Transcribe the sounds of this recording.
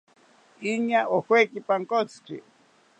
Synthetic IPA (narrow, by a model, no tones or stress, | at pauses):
iɲaʔohwekipaŋkot͡sʰkḭ